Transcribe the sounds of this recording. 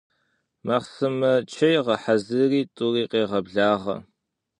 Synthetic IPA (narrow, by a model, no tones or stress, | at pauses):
maːχsɨmɐt͡ʃʰɐjʁɐħazɨriːtʼʊriːqeːʁɐbɮaːʁɐ̰